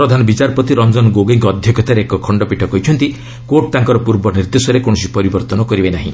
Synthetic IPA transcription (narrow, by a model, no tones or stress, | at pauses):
pɾɔd̪ʱanɔbit͡ʃaɾpɔt̪iɾɔnd͡ʒɔnɔɡoɡeŋkɔɔd̪ʱjɔkʰɔt̪aɾeekɔkʰɔɳɖɔpiʈʰɔkɔjt͡ʃʰɔnt̪i | koʈ̚t̪aŋkɔɾɔpuɾbɔniɾd̪esɔɾekɔɽ̃ɔsipɔɾibɔɾt̪ɔnɔkɔɾibenaɦḭ̃